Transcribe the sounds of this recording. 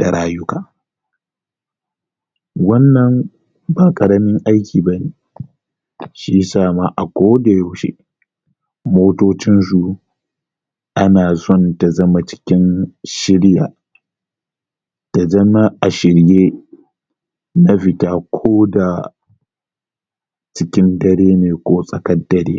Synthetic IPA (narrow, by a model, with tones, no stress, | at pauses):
d̥a˨ɽaː˦jʊ˦kaː˨ | wɐ˦nːɐ˨m | ba˨kʼɐ˨ɽɐ˦mɪ˦ŋʔa˦jkʲiː˨ba˦neː˨ | ʃi˦saː˦˨ma˦ʔa˨kʷoː˦da˨ja˦˨wʃḛ˦ | moː˦toː˦t͡ʃɪ˦ns̬u˨ | ʔa˦naː˨zɔ˦˨nta˨zɐ˦ma˨t͡ʃɪ̥˦kʲɪ˦nʃɪ˦ɽja̰ː˨ | ta˨zɐ˦ma˦ʔa˨ʃɪ˨ɽjeː˦ | na˦ɸɪ˨taː˦kʷʰoː˦da˨ | t͡ʃɪ˦kʲɪ˦ndɐ˦ɽeː˦neː˨kʷoː˦sʼɐ˨kɐ˦dːɐ˨ɾḛː˦